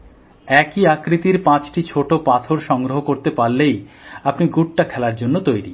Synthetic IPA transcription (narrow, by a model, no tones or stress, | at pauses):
ɛkiakɾit̪iɾpãt͡ɕʈit͡ɕʰoʈopat̪ʰoɾʃɔŋɡɾoɦokoɾt̪epaɾlejapniɡuʈːakʰɛlaɾd͡ʑonːot̪ojɾi